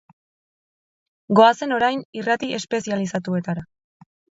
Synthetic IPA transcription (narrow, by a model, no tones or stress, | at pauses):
ɡo̞ase̞no̞ɾajnirat̪ie̞spe̞sialisat̪ue̞t̪aɾa